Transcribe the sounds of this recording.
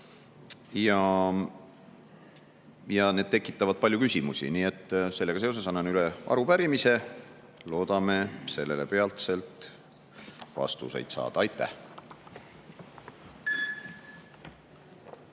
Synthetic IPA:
jɑ | jɑne̞ːd̪̚t̪e̞kːˑit̪ːˑɑvɑd̪̥̚pɑlʲjukysʲimusʲḭniːe̞t̪ːse̞lːeɡɑse̞os̬e̞sɑnːɑnyleʔɑ̰ɾupæɾimise̞ | lo̞ːd̪̥ɑme̞se̞lːe̞le̞pe̞ɑlt̪se̞lt̪ˑ | vɑ̰st̪ṵsḛjd̪sɑ̰ːd̪̥ɑɑjt̪ːæh

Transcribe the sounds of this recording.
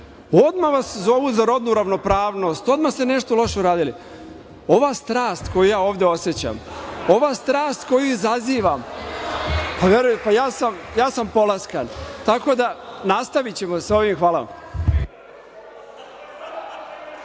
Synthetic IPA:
o̞d̪maʋaszo̞ʋuzaɾo̞d̪nuɾaʋno̞pɾaːʋno̞st̪o̞d̪mast̪e̞ne̞ʃt̪olo̞ʃeuɾaːd̪ili | o̞ʋast̪ɾaːst̪ko̞jujaːoːʋd̪e̞o̞sje̞t͡ɕa̰mo̞ʋaːst̪ɾaːst̪ko̞juizaziːʋam | paʋeɾujpajaːsamjaːsampo̞laskant̪ako̞d̪anast̪aʋit͡ɕe̞moso̞ʋimxʋaːla

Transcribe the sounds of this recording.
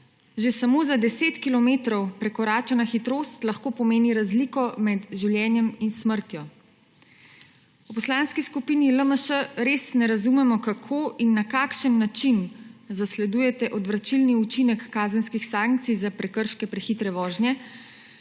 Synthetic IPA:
ʒesamoːzad̪ɛseːt̪kilɔmeːt̪ɾɔwpɾɛkɔɾaːt͡ʃanaxit̪ɾoːst̪laxkoːpɔmeːniɾazlikɔmɛd̪ʒiwljɛːnjɛminsməɾt̪jɔ | upɔslaːnskiskupiːniləməʃəɾeːsnɛɾazumɛmɔkakʰoːinːakaːkʃənːat͡ʃinzaslɛd̪ujɛt̪ɛʔɔd̪ʋɾat͡ʃilniut͡ʃinɛkːaːzənskixsaːŋk̚t̪sijzapɾɛkəɾʃkɛpɾɛxit̪ɾɛʋɔːʒnjɛ

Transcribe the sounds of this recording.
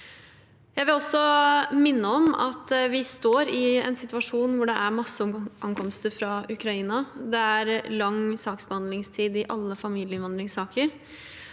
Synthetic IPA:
jæɪʋɪlɔsːɔmɪnːəɔmɑ̰t̪ʋɪst̪oːɾɪɛ̰nsɪt̪ʉʋɑʂuːnʋʊɖɛʔæɾmɑsːəɔʔɑŋkʰɔmst̪əɾfɾɑʉkɾɑiːnɑd̪ɛæɾlɑŋsɑːksbəhɑnd̪lɪŋst̪ʰiːd̪ɪʔɑlːəfɑmiːlɪəɪnʋɑnd̪ɾɪŋsɑːkʰəɾ

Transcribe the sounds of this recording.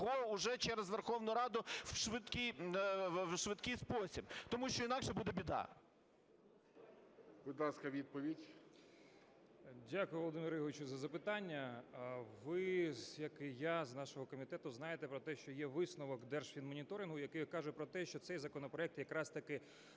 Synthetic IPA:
ɦɔʊʒɛt͡ʃɛɾɛzʋerxɔʋnʊjɾɑd̪ʊwʃʋɪd̪kɪj | ʃʋɪd̪kɪjspɔsʲibt̪ɔmuʃt͡ʃɔinɑkʃɛbud̪ɛbʲid̪ɑ̰ | b̥ʊd̪lˠɑskɐʋʲid̪̚pɔʋʲidʲ | dʲakʊjʊʋɔlˠɔd̪ɪmʲiɾʊjɔʋɪt͡ʃʊzɐzɐpɪt̪ɑnʲːɐ | ʋɪjɐkɪjɑznɑʃɔɦɔkɔmʲit̪ɛt̪ʊznɑjet̪epɾɔt̪ɛʃt͡ʃɔjɛʋɪsnɔʋɔkd̪ɛrʃfʲinmɔnʲit̪ɔɾʲɪnɦʊjɐkɪjkɑʒɛpɾɔt̪ɛʃt͡ʃɔt̪sɛjzɐkɔnɔpɾɔɛk̚t̪jɐkɾɑst̪ɐkɪ

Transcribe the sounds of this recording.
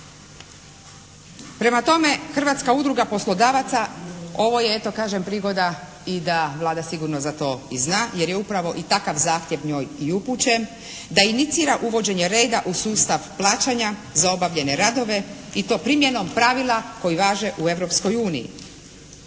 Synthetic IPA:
pɾe̞mat̪o̞me̞xr̩ʋaːt̪skaud̪ɾuɡapo̞slˠo̞d̪aːʋat̪sao̞ʋo̞je̞et̪o̞kaːʒempɾiːɡo̞d̪a | id̪aʋlˠaːd̪asiɡuɾnozat̪o̞ːiznaːje̞ɾje̞upɾaʋo̞ʔit̪akaʋzaːxt̪je̞ʋɲo̞ːjiuput͡ɕe | d̪ainit̪siːɾaʔuʋo̞d͡ʑe̞ɲe̞ɾe̞ːd̪aʔusuːst̪aʋplˠaːt͡ʃaɲa | zao̞baʋʎe̞ne̞ɾad̪o̞ʋe̞it̪o̞ːpɾimje̞no̞mpɾaʋilˠako̞jiʋaːʒe̞ʔue̞ʋɾo̞psko̞juːnḭjḭ

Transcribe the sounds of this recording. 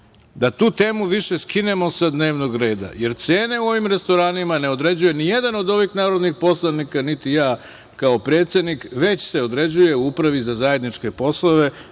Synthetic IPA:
d̪at̪uːt̪e̞ːmuʋiʃe̞skine̞mo̞sad̪ne̞ːʋno̞ɡɾe̞ːd̪a̰je̞ɾt̪se̞ːne̞uo̞ʋimɾe̞st̪o̞ɾaːnimane̞o̞d̪ɾe̞d͡ʑuje̞nije̞d̪ano̞d̪o̞ʋixnaːɾo̞d̪nixpo̞slˠanikanit̪ijaː | kaopɾe̞ːt̪se̞d̪nikʋe̞t͡ɕse̞o̞d̪ɾe̞d͡ʑuje̞uupɾaʋizazaje̞d̪nit͡ʃke̞po̞slˠoʋe̞

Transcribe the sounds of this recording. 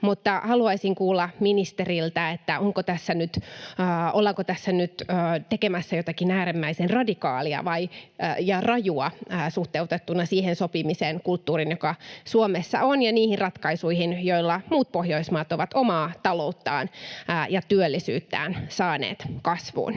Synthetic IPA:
mut̪ːɑhɑluɑisiŋkuːlːɑminist̪erilt̪æet̪ːæʔoŋkot̪æsːænyt̪ː | ʔolːɑŋkot̪æsːænyt̪øːt̪ekemæsːæjot̪ɑkinæːɾimːæisenrɑdikɑːliɑ̰ʋɑijɑrɑjuɑːsuht̪eut̪et̪ːunːɑsiːhensopimiseːnkult̪ːuːrinjokɑsuomesːɑ̰onjɑniːhirrɑt̪kɑisuihinjoilːɑmuːt̪̚pohjoismɑːt̪oʋɑt̪omɑːt̪ɑlout̪ːɑ̰ːnːjɑt̪yølːisyːt̪ːæ̰ːnsɑːnḛːt̪kɑsʋṵːn

